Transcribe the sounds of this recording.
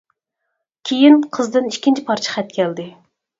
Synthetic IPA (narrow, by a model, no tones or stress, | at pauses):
kʲʰejinqʰəzd̪ɨniʃkʲːint͡ʃʰipʰɑɾt͡ʃʰə̥χɛt̪̚kʲʰɛld̪ɪ